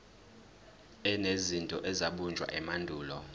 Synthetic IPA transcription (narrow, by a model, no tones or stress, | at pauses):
ɛnezintʼɔʔɛzaɓund͡ʒʱwa̰ʔɛmandʱuːlɔ